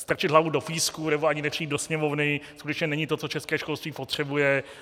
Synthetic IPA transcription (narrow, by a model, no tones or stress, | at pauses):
st̪ɾat͡ʃɪd̪ɦlavudofiːskunɛboaɲɪnɛpr̥iiːd̪dosɲɛmovnɪskut̪ɛt͡ʃɲɛnɛɲɪt̪o̞t͡so̞t͡ʃɛskɛːʃko̞lst̪viːpot̪r̝̥ɛbujɛ